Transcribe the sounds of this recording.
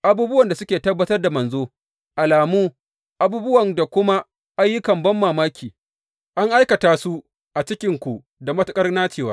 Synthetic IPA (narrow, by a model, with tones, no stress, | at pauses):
ʔa˨buː˦bʊ˦wɐ˨nda˨sʊ˦kʲeː˨tɐ˦bːɐ˦tɐ˦rda˨mɐ˨nzoː˦ | ʔa˨laː˨muː˦ | ʔa˦buː˦bʊ˦wɐ˨ŋda˨kʷʊ˦ma˦ | ʔa˦jːʊ˦kɐ˨mbɐ˦mːaː˨maː˦kʲiː˨ | ʔa˦ŋʔa˦jkɐ˨taː˨su˦ | ʔa˨t͡ʃɪ˦kʲɪ˦ŋkʷu˨ | da˨mɐ˦tʊ˦kʼɐ˦rnaː˦t͡ʃeː˨waː˦